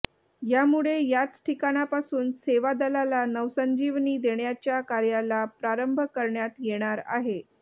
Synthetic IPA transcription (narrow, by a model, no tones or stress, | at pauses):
jamuɭejat͡sʈʰikaɽ̃apasuːnseʋad̪əlalanəʋsəɲd͡ʑiʋniːd̪eɳjat͡ɕjakaɾjalapɾaɾəmbʱəkəɾɳjat̪jeɽ̃aɾa̰ɦe